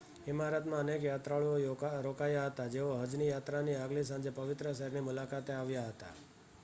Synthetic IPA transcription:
ɪmaɾət̪mãənekjat̪ɾaɭuoɾokajaɦət̪ad͡ʒeoɦəd͡ʒnijat̪ɾaniaɡlis̬ãɲd͡ʒepəʋɪt̪ɾəʃəɦɛɾnimʊlakat̪eaʋjaɦət̪a̰

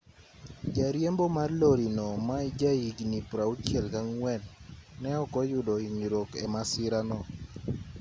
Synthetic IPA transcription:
d͡ʒaɾjembomarloɾinɔmaid͡ʒaiɡnipɾaut͡ʃjɛlkaŋwɛnːɛɔkɔjʊdɔiɲɾokɛ̰masɪɾanɔ

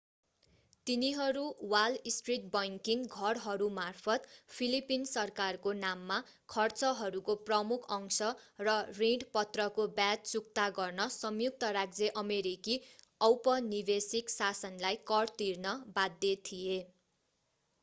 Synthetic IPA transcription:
t̪iniɦʌɾuwalisʈriʈ̚bʌjŋkiŋɡʱʌrɦʌɾumarpʰʌt̪pʰilipinsʌrkarkonamːa | kʰʌrt͡sʌɦʌɾukoprʌmukʰʌŋsʌrʌriɖpʌt̪rʌkobjad̚t͡suk̚t̪aɡʌrnʌsʌmjuk̚t̪ʌɾaɡd͡zeʔʌmeɾiki | ʌwpʌnibesiksasʌnlajkʌrt̪irnʌbad̪ʱːjet̪ʰije

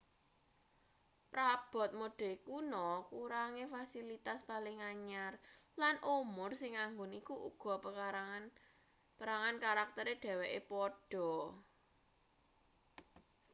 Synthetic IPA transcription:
pɾab̥ɔ̤t̪̚moɖ̥ɛ̤kunɔkuɾaŋefasilit̪aspalɪŋaɲarlanʔumʊrsɪŋːaŋɡonikuʔṵɡ̥ɔ̤p | pəɾaŋankaɾak̚t̪əɾeɖ̥ɛ̤wɛʔepɔɖ̥ɔ̤

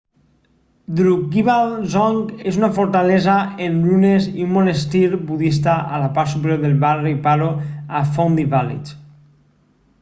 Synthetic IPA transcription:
d̪ɾukɡiβalzɔŋkezunafoɾt̪alɛzaenluneziumonest̪iɾbuðist̪aʔalapaɾt̪supeɾjoɾðelβaripaɾoafond̪ivalḭt͡ʃ

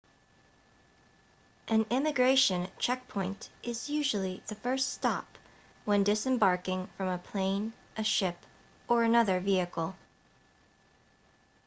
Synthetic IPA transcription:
ʔɨ̃nɪ̃mɨɡɹeɪʃɨ̃nt͡ʃʰɛk̚pʰɔ̃ɪ̃ntʔɪzjʉʒl̩ˠiðɨfɜ˞ststɑ̰p | wə̃ndɪsɨ̃mbɑɹkɪ̃ŋfɹʌ̃məpʰl̥ẽɪ̃n | ʔɨʃɪp | ə˞ɨnʌðə˞viɨkl̩ˠ

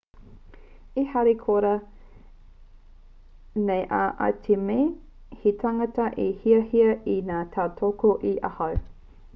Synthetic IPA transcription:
ihɐɾekʰoɾɐ | nejʔaʔɐ̰tʰemej | hitʰaŋɐtɐʔihiɐhiɐinaːtʰaːtʰokoʔiʔɐhɐw

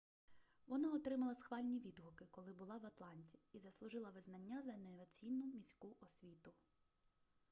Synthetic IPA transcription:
ʋɔnɑɔt̪ɾɪmɐlˠɐsxʋɑlʲnʲiʋʲid̪ɦʊkɪkɔlˠɪbʊlˠɑʋɐt̪lˠɑnʲtʲi̥izɐslˠʊʒɪlˠɐʋɪznɐnʲːazɐneʋɐt͡sʲijnʊmʲisʲkuʔɔsʲʋʲit̪ʊ

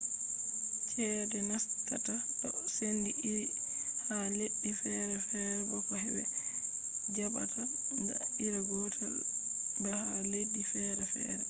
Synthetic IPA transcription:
t͡ʃʰɛdɛnastatatɔsendiʔiɾi | haleɗːifɛɾɛfɛɾɛbɔkɔɦɛbɛ | d͡ʒaba̰tʰada̰iɾaɡɔtʰa | bɛhaledːifɛːɾɛfɛ̰ɾɛ

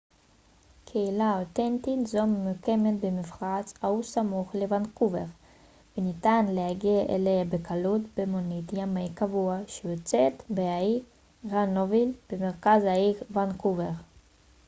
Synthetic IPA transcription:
kʰeilaot̪ent̪itzomejukemetbemifʁat͡shausamuχlevankuveʁ | venitanlehaɡiaʔḛleabekʰalutbemonitjamaikavuaʃejot͡set̪beai | ʁanovilb̥emeʁkazaivankuveʁ

